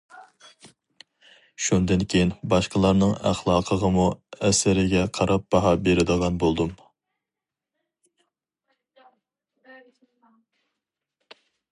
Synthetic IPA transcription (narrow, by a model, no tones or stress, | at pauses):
ʃund̪ɨnkʲʰejinbɑʃqəlˠɑɾnɨŋæ̰χlˠɑːqʰəʁəmuɛsɪɾɪɡʲɛqʰɑɾɑp̚bɑɦɑbeɾɪd̪əʁɑnbolˠd̪um